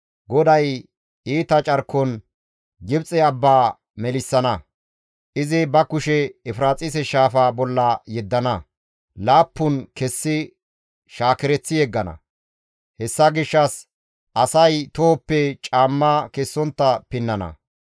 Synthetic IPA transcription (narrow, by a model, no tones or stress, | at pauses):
ɡɔd̪ɐj | iːt̪ɐt͡ʃʼɐɾkːɔn | ɡɪbt͡sʼɛɐbːaː | mɛlɪsːɐnɐ | ʔɪzɪbɐkʊʃɛːfɾaːt͡sʼɪsɛʃaːfaːbɔlːɐjɛd̪ːɐnɐ | laːpːʊnkɛsːɪ | ʃaːkɪɾɛt͡sːɪjɛɡːɐnɐ̰ | hɛsːɐɡɪʃːɐs | ʔɐsɐjt̪oːpːɛt͡ʃʼaːmːɐkɛsːɔnt̪ːɐpɪnːɐnɐ̰